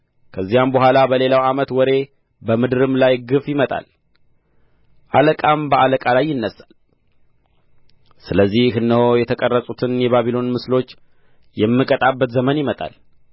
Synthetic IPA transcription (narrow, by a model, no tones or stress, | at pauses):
kʰəzːijambəɦʷalabəle̞lawamət̪wɔɾe̞ | bəmɨd̪ɨɾɨmlajɡɨfjɪmət̪ʼa̰l | ʔaləkʼambəʔaləkʼalajːɪnːəsal | sɨləzːihhɨnːəho̞jɛt̪ʰəkʼərːəsʼut̪ʰɨnjɛβaβilo̞nmɨslo̞t͡ʃː | jɛmːɨkʼət̪ʼabːət̪zəmənjɪmət̪ʼa̰l